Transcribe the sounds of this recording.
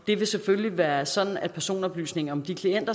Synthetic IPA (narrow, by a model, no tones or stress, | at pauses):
d̥e̝ʋe̝sefølliʋæːɐsɒ̽d̥n̩æd̥̚pʰæɐso̝̰ːnɒ̽b̥ly̰ːsne̝ŋɐɒ̽md̥ikʰlien̰d̥ɐ